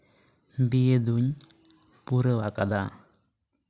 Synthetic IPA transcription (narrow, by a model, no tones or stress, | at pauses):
bijəd̪uɲ | puɾəwakad̪a̰